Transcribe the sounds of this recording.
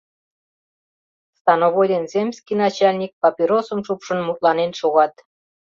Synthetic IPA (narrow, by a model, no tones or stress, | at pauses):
st̪ɑnoβojd̪enzʲemʲsʲkijnɑt͡ɕɑlʲnʲik̚pɑpʲiɾosəmʃupʃə̆nmut̪lɑnenʃoɣɑt̪